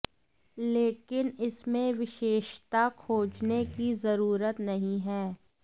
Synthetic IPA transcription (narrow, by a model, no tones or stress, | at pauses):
leːkɪnɪsmẽʋɪʃeːʃt̪akʰoːd͡ʒnekizɐɾuːɾət̪nɐɦĩɦɛː